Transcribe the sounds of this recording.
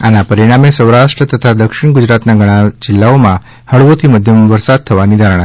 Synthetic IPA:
anapəɾiɽ̃amesəwɾaʂʈɾət̪ət̪ʰad̪əkʃiɳ̃ɡud͡ʒɾat̪naɡʱəɽ̃ad͡ʒilːaomã | həɭʋot̪ʰiməd̪ʱjəmʋəɾsad̪̚t̪ʰəʋanid̪ʱaɾəɽ̃a

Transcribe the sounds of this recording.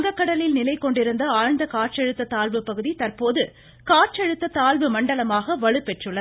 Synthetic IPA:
ɡɐkːɐɽɐlɪlnɪlɐɪkːɔɳɖɪɾɯnd̪ɐaːɻnd̪ɐkaːrt͡ʃɛɻɯt̪ːɐt̪aːlʋɯpːɐɣɯðit̪ɐrpoːðɯ | kaːɾ̚t͡ʃɐɻɯt̪ːɐt̪aːɭʋɯmɐɳɖɐlɐmaːɣɐʋɐɻɯpːɛʈrɯɭːɐ

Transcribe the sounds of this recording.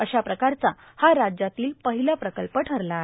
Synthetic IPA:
əɕapɾəkaɾt͡sa | haɾad͡ʑjat̪iːlpəɦiləpɾəkəlpəʈʰəɾla

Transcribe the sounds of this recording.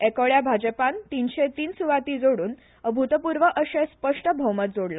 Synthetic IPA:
ekəɭjabʱad͡ʑəpant̪inɕet̪iːnsuʋat̪iːd͡zoɽuːn | əbʱut̪əpuɾʋəʔəɕespəʂʈəbʱəwmət̪̚d͡zoɽla

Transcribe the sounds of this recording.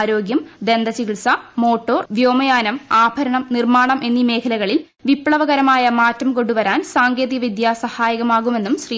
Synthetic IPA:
ɾo̞ːɡjɐmd̪e̞nd̪ɐt͡ɕiɣɭsɐmo̞ːʈːo̞ːrʋjoːmɐjaːnɐmaːbʱɐɾɐɳɐmnirmaːɳɐmʔe̞nːime̞ːkʰɐlɐɣɐɭil | ʋipːɭɐʋɐɣɐɾɐmaːjɐmaːtːɐmko̞ɳɖuʋɐɾaːnsaːŋɡe̞ːðiɡɐʋid̪jaːsɐhaːjɐɣɐmaːɣume̞nːumɕriː

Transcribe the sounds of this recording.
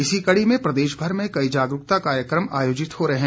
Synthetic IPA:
ɪsikɐɽimẽpɾɐd̪eːʃbʱɐɾmẽkɐid͡ʒaːɡɾʊk̚t̪akaːɾjəkɾəmaːjoːd͡ʒɪt̪hoɾɐɦɛ̃

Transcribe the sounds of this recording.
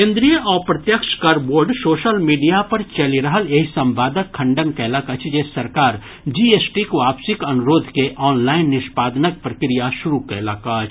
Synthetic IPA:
kẽːnd̪ɾijəʔɔːɾpɾɐt̪jəkʃkaɾboːɾɖsoːʃəlmiːɖijapɐɾt͡ʃɐliɾɐɦəleːɦsɐ̃mbʱaːd̪əkʰːɐ̃ɳɖənkɛːlakɐt͡ʃʰd͡ʒeːsɐɾkaːɾ | d͡ʒiːeːsʈikʋaːpsɪkɐnʊɾoːd̪ʱkeʔɔːnlaːɪnːɪʃpaːd̪nək̚pɾɐkɾijaʃʊɾukɛːlakat͡ʃʰ

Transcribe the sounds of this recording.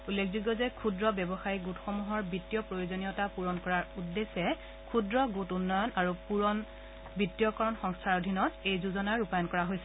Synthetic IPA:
ulːekʰzuɡɔzɛkʰudɹɔbjɔbɔxaɹiɡutxɔmuɦɔɹbitːijɔpɹojozonijɔtapuɹɔnkɔɹaɹudːesɛ | kʰudɹɔɡutunːɔjɔnaɹupuɔn | bitːijɔkɔɹɔnxɔŋstʰaɹodʱinɔtejzuzɔnaɹupajɔnkɔɹaɦojsɛ

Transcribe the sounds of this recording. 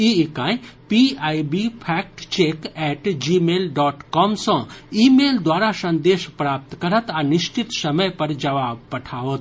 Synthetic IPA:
iɪkãːĩpiaːibipʰɛːk̚ʈt͡ʃeːkɛːʈd͡ʒimeːlɖɔːʈkɔːmsə̃iːmeːld̪waːɾasɐ̃nd̪eːʃpɾaːp̚t̪kɐɾət̪anɪʃt͡ʃɪt̪sɐməjpɐɾd͡ʒɐʋaːb̚pɐʈʰaːoːt̪

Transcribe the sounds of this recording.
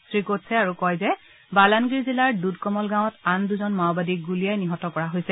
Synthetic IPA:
sɹikotsɛaɹukɔjzɛ | balanɡiɹzilaɹdudkɔmɔlɡãw̃ɔtanduzɔnmaʊbadiɡulijajniɦɔtɔkɔɹaɦojsɛ

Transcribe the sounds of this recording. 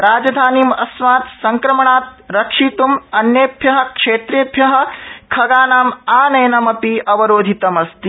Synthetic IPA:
ɾaːd͡ʒɐd̪ʱaːniːmɐ̰smaːt̪sɐŋkɾɐmɐɳaːt̪̚ɾɐkʂit̪umɐnjeːbʱjɐɦɐkʂeːt̪ɾeːbʱjɐɦɐ̆kʰɐɡaːnaːmaːnɐjnɐmɐpiʔɐʋɐɾoːd̪ʱit̪ɐmɐst̪i

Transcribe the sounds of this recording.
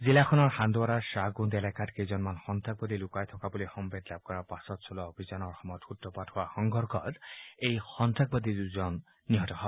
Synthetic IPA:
zilakʰɔnɔɹxandʊwaɾasaɡuntɛlakatkezɔnmanxɔnt̪ʰak̚bɔd̪ilukajtʰɔkabulixɔmbedlab̚kɔɹapasɔtsɔlɔobʱizanɔɹxɔmɔjɔtxutːɔpadhʊwaxɔŋɡʱɔɹkɔtejxɔntʰak̚bɔd̪iduzɔnː | iɦɔtɔɦɔb

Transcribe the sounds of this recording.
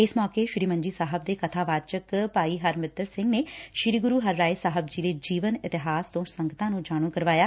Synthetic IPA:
ɪsmɔːkeːʃɾiːmə̃ɲd͡ʒiːsaːɦəb̚d̪eːkət̪ʰaːʋaːt͡ʃəkpaːiːɦəɾmɪt̪əɾsɪ̃ŋɡneːʃɪɾiːɡʊɾuːɦəɾːaːisaːɦəb̚d͡ʒiːd̪eːd͡ʒiːʋənɪt̪ɪɦaːst̪õːsəŋɡət̪ãːnũːd͡ʒaːɽ̃ũːkəɾʋaːjaː

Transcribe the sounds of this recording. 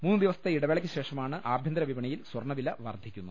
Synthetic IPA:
muːnːɨd̪iʋɐsɐt̪ɐiɽɐʋeɭɐkʲːɨɕe̞ːʂɐmaːɳɨʔaːbʱjɐnd̪ɾɐʋibɐɳɐjilswɐrɳɐʋilɐʋɐ̰rd̪ʱikʲːunːu

